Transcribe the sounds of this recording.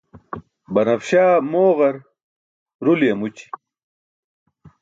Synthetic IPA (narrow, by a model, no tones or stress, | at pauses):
bɐnɐfɕaːmoːʁɐɾ | ɾuljemut͡ɕi̥